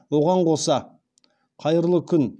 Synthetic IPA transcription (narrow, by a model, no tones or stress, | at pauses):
wo̞ʁɑɴqʰo̞sɑ | qʰɑjəɾlˠəkʲʰʏn